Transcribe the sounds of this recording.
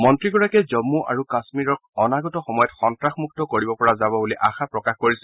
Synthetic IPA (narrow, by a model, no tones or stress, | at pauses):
mɔntɹiɡɔɹakɛzɔmːuʔa̰ɹukasmiɹɔk̚ɔnaɡɔtɔxɔmɔjɔtxɔntɹaxmuk̚tɔkoɹibɔpɔɹazabɔbuliʔaxapɹɔkaxkoɹisɛ